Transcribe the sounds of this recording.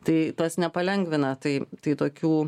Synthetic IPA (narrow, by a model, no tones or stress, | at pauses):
t̪ɐɪt̪ɐsnʲɛpɐlʲɛŋɡʋʲɪnɐt̪ɐɪt̪ɐɪt̪oːkʲuː